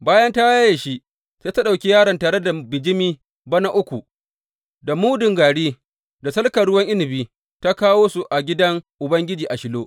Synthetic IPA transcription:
baː˦jɐ˦nta˦wa˦jʃi˦ʔ | seː˦ta˦ɗa˨wkʲi˦jaː˦ɽɐ˨ntaː˨ɽe˦da˨bɪ˨d͡ʒɪ˦miː˦ | bɐ˦na˦ʔʊ˦kʷu˨ | da˨muː˦dɪ˨ŋɡaː˨ɽiː˦ | da˨sɐ˦lkɐ˨ɽʊ˦wɐ˦ŋʔɪ˦nɪ˨biː˦ | ta˦kaː˦woː˦su˨ʔa˨ɡʲɪ˦dɐ˦ŋʔʊ˨bɐ˦ŋɡʲɪ˦d͡ʒiː˨ʔa˨ʃɪ˦loː˦

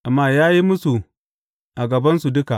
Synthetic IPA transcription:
ʔa˨mːaː˦jaː˦ji˦mʊ˦su˨ | ʔa˨ɡɐ˨bɐ˦nsu˨dʊ˦ka˨

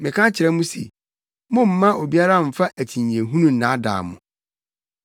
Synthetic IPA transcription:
mɪ̃˨kʰã˦t͡ɕʰɪ˨ɾɛ˦mũ˦sḛ˨ | mʊ̃˦m̩˦mã˦o˨bi˦a˦ɾa˦˨m̩˨fa˦ʔæ˨tʰĩ˨ɲ˨ẽ˨ɦũ˦nũ˦n̩˨nã˨˦da̰ː˨mʊ̰̃˨

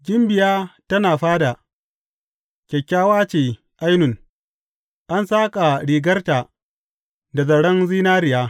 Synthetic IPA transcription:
ɡʲɪ˦mbɪ˨jaː˦tɐ˦naː˨ɸaː˦da˨ | kʲɛ˨kʲːaː˦waː˦t͡ʃeː˨ | ʔa˦jnʊ˨ŋ | ʔa˦nsaː˦kʼa˨ɽiː˨ɡɐ˦rta˨ | da˨zɐ˨ɽɐ˦nziː˦naː˦ɾɪ˨jaː˦

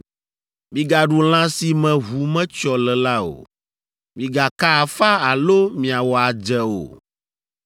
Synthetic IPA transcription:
mĩ˨ɡa˨ɖu˨l̃ã˦si˨mɛ̃˨ɦu˨mɛ̃˦t͡ʃɔ˨lɛ˨la˦o̰˨ | mĩ˨ɡa˨ka˦a˨fa˦a˨lo˦mĩ˨a˨wɔ˨a˨d͡ʒɛ˦o̰˨

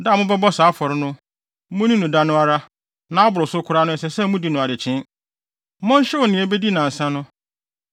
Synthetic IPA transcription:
daː˦˨mʊ̃˦bɛ˦bɔ˦sa˨˦fɔ˨ɾɪ˦nʊ̃˦ | mʊ̃˦nĩ˦nʊ̃˨da˦nʊ̃˦a˦ɾa˦ | nã˨a˦bʊ˨ɾʊ˨sʊ˦kʰʊ˦ɾa˦nʊ̃˦ɛ˨sɛ˨sɛ˦mʊ̃˦di˨˦nʊ̃˨a˨dɪ˨t͡ɕʰɪ̃˦n˦ | mʊ̃˦n˦ɕɛ˦wɔ˨nɪ̃˨ɛ˨be˦di˦nã˨n̩˨sã˦nʊ̃˦

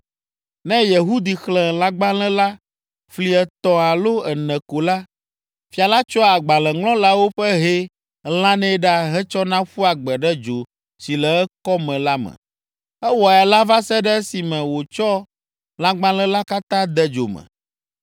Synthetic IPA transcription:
nɛ̃˦jɛ˨ɦu˦d̪i˨xlɛ̃˨lã˦ɡ͡bã˦lɛ̃˦la˦ | fli˦ɛ˨t̪ɔ̃˨a˨lo˦ɛ˨nɛ̃˨ko˨la˦ | fi˨a˨la˦t͡ʃɔ˦a˨ɡ͡ba˨lɛ̃˨ŋlɔ̃˦la˦wo˦ɸɛ˦ɦe˦ | l̃ã˦nɛ̃˦ɖa˦ɦɛ˦t͡ʃɔ˦nã˦ɸu˦a˨ɡ͡bɛ˨ɖɛ˦d͡ʒo˨ | si˨lɛ˨ɛ˦kɔ˦mɛ̃˨la˦mɛ̰̃˨ | ɛ˦wɔ˨ɛ˨la˦va˦sɛ˦ɖɛ˦ɛ˦si˨mɛ̃˨wo˨t͡ʃɔ˦ | lã˦ɡ͡bã˦lɛ̃˦la˦ka˦t̪ã˦d̪ɛ˦d͡ʒo̰˨mɛ̰̃˨

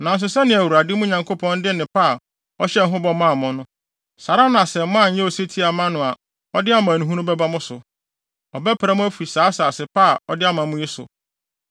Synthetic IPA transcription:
nã˨n̩˦s̬ʊ˨sɛ˦nɪ̃˨æ˨wu˨ɾa˨dɪ˦mʊ̃˦ɲã˨ŋkʰo˦pʰɔ̃˦n˦dɪ˦nɪ̃˨pa˦˨ | ɔ˦ɕɛ˦n̩˦ɦʊ̃˦bɔ˦mã˦˨mʊ̃˨nʊ̃˦ | sa˨ɾa˦nã˨sɛ˨m˦mã˦˨ɲ̩˨˦ɛ̃˦ɔ˨se˦tʰi˦a˨mã˦nʊ̃˨a˨ | ɔ˦dɪ˦a˦mã˨nũ˨ɦũ˦nũ˦bɛ˦ba˦mʊ̃˦sʊ˨ | ɔ˨bɛ˦pʰɾa˦mʊ̃˦æ˦fu˨i˨saː˨˦saː˨sɪ˨pʰa˦˨ɔ˦dɪ˦a˦mã˨mʊ̃˦ji˦sʊ̰˨

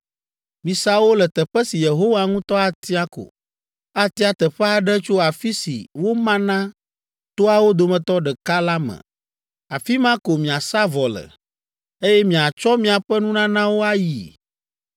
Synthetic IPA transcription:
mĩ˨sa˦wo˦lɛ˨t̪ɛ˨ɸɛ˦si˨je˨ɦo˦wa˦ŋũ˦t̪ɔ˦a˨t̪i˦a˦ko̰˨ | a˦t̪i˦a˨t̪ɛ˨ɸɛ˦a˨ɖɛ˦t͡ʃo˦a˨fi˦sḭ˨wo˦mã˦nã˦ | t̪o˦a˨wo˦d̪o˨mɛ̃˨t̪ɔ˦ɖɛ˨ka˦la˦mɛ̰̃˨ | a˨fi˦mã˦ko˨mĩ˨a˨sa˦vɔ˨lə̰˨ | e˦jɛ˦mĩ˨a˨t͡ʃɔ˦mĩ˨a˨ɸɛ˦nũ˦nã˦nã˦wo˦a˦ji˨

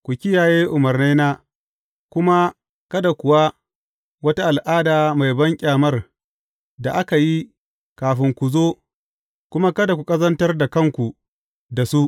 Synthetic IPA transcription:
kʷu˨kʲɪ˦jaː˨jeː˦ʔʊ˨mɐ˨rne˦naː˦ | kʷʊ˦ma˦ | kɐ˦da˨kʷʊ˨wa˦ | wɐ˦ta˦ʔa˨lʔaː˦daː˨ma˨jbɐ˦ŋkʲʼaː˨mɐ˦r | da˨ʔa˦ka˨ji˦ | kaː˨ɸɪ˦ŋkʷu˨zoː˦ | kʷʊ˦ma˦kɐ˦da˨kʷu˨kʼɐ˦zɐ˦ntɐ˦rda˨kɐ˦ŋkʷu˨ | da˨su˦

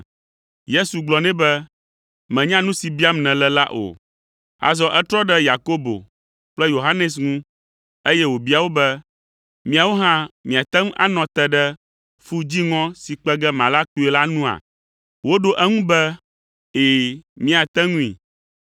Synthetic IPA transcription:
je˦su˨ɡ͡blɔ˨nɛ̃˦bɛ˦ | mɛ̃˨ɲã˦nũ˦si˨bi˦a˦mnɛ̃˨lɛ˨la̰˦ʔo̰˨ | a̰˨zɔ˦ʔɛ˦t̪ɾɔ˦ɖɛ˦ja˨ko˦bo̰˨ | k͡plɛ˦jo˨ɦa˦nɛ˨s̬ŋũ˦ | e˦jɛ˦wo˨bi˦a˨wo˦bɛ˦ | mĩ˦a˨wo˦ɦã˦mĩ˨a˨t̪ɛ˦ŋũ˦ʔa̰˦nɔ̃˨t̪ɛ˨ɖɛ˦ | fu˦d͡ʑi˦ŋɔ̃˦si˨k͡pɛ˦ɡɛ˦mã˨la˦ku˦e˨˦la˦nũ˦a̰˨ | wo˦ɖo˦ʔɛ˦ŋũ˦bɛ˦ | e˨mĩ˦a˨t̪ɛ˦ŋũ˦ḭ˨

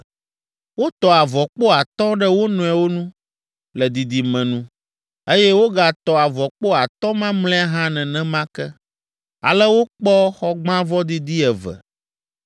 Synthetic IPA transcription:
wo˦t̪ɔ˨a˨vɔ˨k͡po˦a˨t̪ɔ̃˦ɖɛ˦wo˦nɔ̃˨ɛ˨wo˦nũ˦ | lɛ˨d̪i˨d̪i˨mɛ̃˨nũ˦ | e˦jɛ˦wo˦ɡa˨t̪ɔ˨a˨vɔ˨k͡po˦a˨t̪ɔ̃˦mã˦mlɛ̃˦a˦ɦã˦nɛ̃˨nɛ̃˦mã˦kɛ˦ | a̰˨lɛ˦wo˦k͡pɔ˦xɔ˦ɡ͡bã˦vɔ˦d̪i˦d̪i˦ɛ˨vɛ̰˨

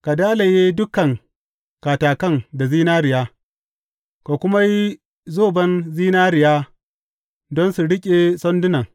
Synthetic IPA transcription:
ka˨daː˦la˨jeː˦dʊ˦kɐ˨ŋ | kaː˨taː˨kɐ˦ŋda˨ziː˦naː˦ɾɪ˨jaː˦ | ka˨kʷʊ˦ma˦ji˦ | zoː˦˨bɐ˦nziː˦naː˦ɾɪ˨jaː˦ | dɔ˦nsu˨ɽɪ˦kʲʼe˨sɔ˦ndʊ˦nɐ˨ŋ

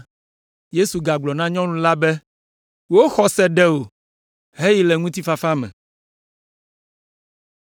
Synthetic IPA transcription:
je˦su˨ɡa˨ɡ͡blɔ˨nã˦ɲɔ̃˦nũ˦la˦bɛ˦ | wo˦xɔ˨sɛ˨ɖɛ˦wo˨ | ɦe˦ji˦lɛ˨ŋũ˦t̪i˦fa˨fa˦mɛ̰̃˨

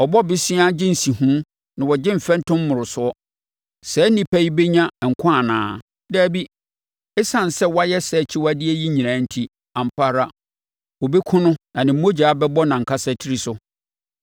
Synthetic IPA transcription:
ɔ˨bɔ˦bɪ˦sĩ˦a˦d͡ʑɪ̃˦n̩˨sĩ˨hũ˦ | nã˨wɔ˨d͡ʑɪ̃˦m̩˨fɛ̃˦n˦tʰʊ̃˦mː˦ʊ̃˨ɾʊ˨sʊ˨ɔ˦ | sɛ˨˦nĩ˨pʰæ˦ji˦be˦ɲã˦˨ŋ̩˨kʰã˦a˨nã̰ː˨ | dɛ˦˨bi˦ | ɛ˦sã˨n˨sɛ˦wa˦jɛ˦sɛ˨t͡ɕʰɪ˦wa˦dɪ˦e˦ji˦ɲĩ˨ãː˨˦n̩˦tʰi˦ | ã˨m̩˨pʰa˦˨ɾa˦ | wɔ˨be˦kʰʊ̃˦nʊ̃˦nã˨nɪ̃˨m̩˦o˦d͡ʑaː˨˦bɛ˦bɔ˦nã˨ŋ̩˨kʰa˦sɛ˨tʰi˦ɾi˦sʊ˦

